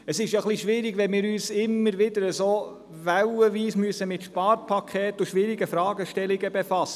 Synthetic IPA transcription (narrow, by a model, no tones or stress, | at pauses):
əsɪʃjaχliʃʋɪɾiɡʋɛnmɪːɾyːsɪmːəɾʋɪd̪əɾəsoː | ʋæwəʋiːsmyəsəmɪt̪ʃpɑːɾpʰɑkʰχeːt̪uʃʋɪɾiɡəfɾɑːɡəʃtɛliɡəbɛfɑsə